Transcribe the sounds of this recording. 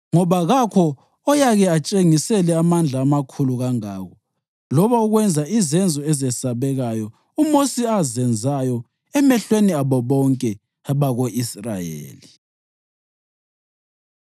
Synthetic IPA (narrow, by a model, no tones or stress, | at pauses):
ŋɔβaɣakʰɔː | jaɣɛat͡ʃʼeŋisɛlɛamand͡ɮʱaːmakʰuluɣaŋa̰ːɣɔ | lɔβauɣwɛnd͡zʱaizɛnd͡zʱɔɛzɛsaβɛɣajɔ | umosiazɛnd͡zʱajɔ | ɛmɛɬweniaβɔβɔŋkʼɛ | βaɣoʔisra̰jḛːli